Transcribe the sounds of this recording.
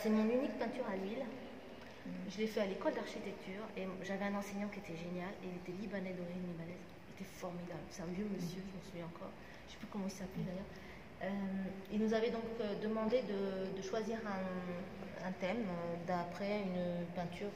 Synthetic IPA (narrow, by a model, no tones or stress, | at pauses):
sɛmɔ̃nynik̚pɛ̃t̪yʁalɥil | ʒəlefɛalekɔld̪aʁʃit̪ɛk̚t̪ʰyːʁeʒavɛɛ̃nɑ̃seɲɑ̃kʲiet̪ɛʒenjaleilet̪ɛlibanɛd̪ɔ̃ʁinlibanɛz | ilet̪ɛfɔʁmid̪ablset̪ɛ̃vjøməsjøməsuvjɛ̃ɑ̃kɔ̰ʁ | ʃɛ̥pykɔmɑ̃ilsaplɛd̪ajœʁ | ømilnuzavɛd̪ɔ̃kød̪əmɑ̃d̪ed̪əd̪əʃwaziʁɛ̃ | ɛ̃t̪ɛmd̪apχɛynpɛ̃t̪yːʁ